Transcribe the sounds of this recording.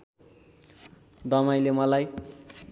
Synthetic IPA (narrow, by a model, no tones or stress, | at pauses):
d̪ʌmajlemʌlaj